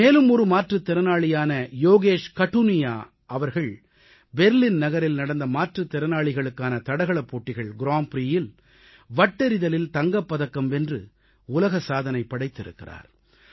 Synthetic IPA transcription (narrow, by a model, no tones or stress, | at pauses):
meːlɯmɔɾɯmaːʈrɯt̪ːɛɾɐnaːɭɪjaːnɐjoːɣeːʂkɐʈːunɪja̰ː | ɐʋɐɾɣɐɭ | bɛɾlɪnnɐɣɐɾɪlnɐɽɐnd̪ɐmaːʈrɯt̪ːɛɾɐnaːɭɪɣɐɭɯkːaːnɐt̪ɐɽɐɣɐɭɐpːoːʈːɪɣɐɭɡɪɾaːmpɾiːjɪl | ʋɐʈːɐɾɪðɐlɪlt̪ɐŋɡɐpːɐðɐkːɐmɛndrɯ | ʊlɐɣɐsaːðɐnɐɪpːɐɽɐɪt̪ːɪɾɯ̰kːɪra̰ːɾ